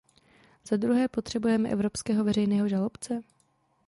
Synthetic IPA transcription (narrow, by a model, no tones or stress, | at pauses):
z̥ad̪ɾuɦɛːpo̞t̪r̝̥ɛbujɛmɛʔɛ̰vɾo̞pskɛːɦo̞vɛrɛjnɛːɦo̞ʒalopt͡sɛ